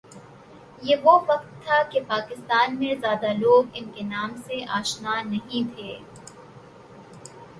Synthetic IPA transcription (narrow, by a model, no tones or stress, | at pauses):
jeːʋoʋɐqt̪ʰːakepaːkɪst̪aːnmẽzjaːd̪aloːɡɪnkenaːmseʔaːʃnaːnɐɦĩt̪ʰeː